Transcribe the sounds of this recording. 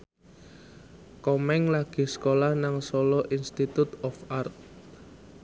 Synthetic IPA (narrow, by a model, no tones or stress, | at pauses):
kɔmɛŋlaɡ̥i̤skolahnaŋsɔlɔʔinst̪it̪ut̪ɔfart̪̚